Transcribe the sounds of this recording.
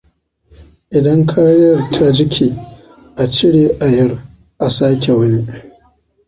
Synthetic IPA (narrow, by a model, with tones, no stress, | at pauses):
ʔɪ˨dɐ˦ŋkʰaː˦ɽɪ˦jɐ˨rtʰa˦d͡ʒɪ˦kʲʰiː˨ | ʔa˨t͡ʃɪ˦ɽeː˨ʔa˨jɐ˦r | ʔa˨saː˦kʲe˨wɐ˦ni˦